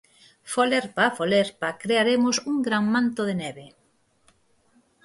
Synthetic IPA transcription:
foleɾpafoleɾpakɾeaɾemʊsuŋɡɾaŋmãnt̪oðeneβe

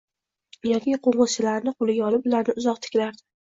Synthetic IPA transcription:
jakʲiqʰoɴʁɨt͡ʃʰɪlaɾnɪqʰolɪɡʲaɒlɪpʊlaɾnɪʊzɒq̚t̪ʰɪ̥kʲlaɾd̪ɪ

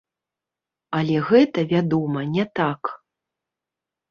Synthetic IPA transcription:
ɐlʲɛɣɛt̪ɐvʲad̪ɔmɐnʲɛt̪ak

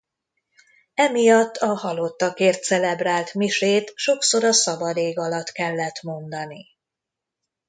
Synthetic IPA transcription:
ɛmijɒt̪ːɒhɒlo̞t̪ːɒkeːrt̪sɛlɛbraːlt̪miʃeːt̪ʃo̞kso̞ɾɒsɒbɒd̪eːɡɒlɒt̪kɛlːɛt̪mo̞nd̪ɒni

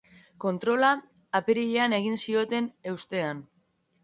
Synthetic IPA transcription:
ko̞nt̪ɾo̞laː | peɾiʎeane̞ɣinsio̞t̪e̞ne̞wst̪e̞an

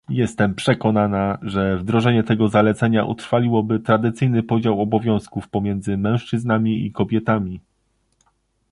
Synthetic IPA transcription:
jɛst̪ɛmpʂɛkɔnanaʐɛvd̪ɾɔʐɛɲɛt̪ɛɡɔzalɛt̪sɛɲaʔṵt̪ɾfalʲiwɔbɘt̪ɾad̪ɘt̪sɘjnɘpɔd͡ʑawɔbɔvʲjɔ̃w̃skufpɔmʲjɛnd̪zɘmɛ̃w̃ʂt͡ʂɘznamʲiḭkɔbʲjɛt̪amʲi

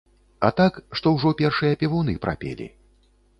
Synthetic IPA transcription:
ɐ̰t̪akʂt̪ɔwʐɔpʲɛrʂɨjɐpʲɛvunɨpɾa̰pʲḛlʲḭ

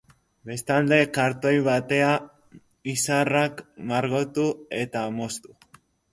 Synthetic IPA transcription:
be̞st̪ald̪e̞kaɾt̪o̞jβat̪e̞a | isarakmaɾɣo̞t̪ue̞t̪amo̞st̪u

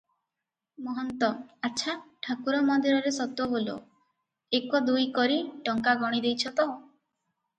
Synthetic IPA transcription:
mɔɦɔnt̪ɔatːʃʰaʈʰakuɾɔmɔd̪ʱiɾɔɾesɔt̪ɔɦolo̰ | ekɔd̪ujkɔɾiʈɔŋkaɡɔɽ̃id̪ejt͡ʃʰɔt̪ɔɦõ

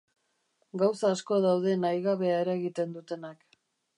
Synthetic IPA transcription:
ɡawsaːsko̞ðawðe̞najɣaβe̞aeɾaeɣit̪e̞nd̪ut̪e̞nak

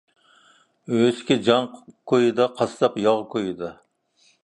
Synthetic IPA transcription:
øskʲɛd͡ʒɑŋkʰojɨd̪ɑqʰɑst̪ɑpjɑʁkʰojɨd̪ɑ

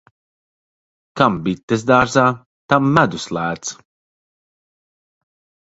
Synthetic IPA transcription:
kambit̪ːɛs̬d̪aːɾzaː | t̪amːæd̪uslæːt̪s

